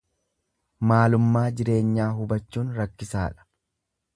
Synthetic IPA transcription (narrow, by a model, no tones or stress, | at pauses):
maːlʊmːaːd͡ʒɪɾe̞ːɲːaːɦʊbɐt͡ʃːuːnɾɐkːɪsaːᶑɐ̥